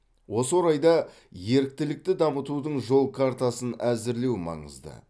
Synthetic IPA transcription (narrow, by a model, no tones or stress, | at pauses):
wo̞səwoɾɑjd̪ɑ | je̞ɾɪk̚t̪ɪlɪk̚t̪ɪd̪ɑmət̪ud̪əɴʒo̞lˠkʰaɾt̪asənæzɪɾle̞wmɑ̰ɴə̰zd̪ə̰